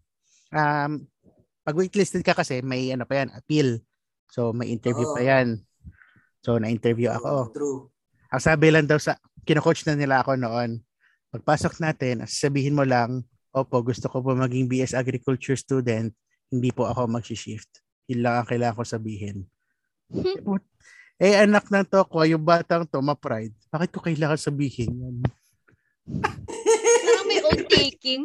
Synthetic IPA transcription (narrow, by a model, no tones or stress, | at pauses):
ʔɐm | pɐɡwɪt̪lɪst̪ɛd̪̚kɐkɐsɛmɐjʔɐno̞pɐjanʔɐpil | so̞mɐjʔɪnt̪ɛɹvjupɐjan | so̞nɐʔɪnt̪ɛɹvjuʔɐ̰ko | ʔɐŋsaːbɪlɐŋd̪ɐwsɐ | kɪnokot͡ʃnɐnɪlaɐko̞noʔo̞n | pɐɡ̚paːsok̚naːt̪ɛnʔɐ̰sasɐbiːhɪnmolɐŋ | ʔoːpoʔɡʊst̪okop̬omɐɡiŋbiːʔɛsʔaɡɾɪkult͡ʃʊɹst̪uːd̪ɛnt̪̚ | hɪnd̪iːpoʔɐko̞mɐɡ̚siʃɪft̪̚ | hɪnlaŋɐŋkɐɪlaːŋɐŋkosɐbiːɦɪn | ɛp | ʔɛʔɐnak̚nɐŋt̪okojʊŋbaːt̪ɐŋt̪o̞mɐpɾajd̪̚b̥aːkɪt̪̚kokɐjlaːŋɐsɐbiːhɪnjon | oejkɪŋ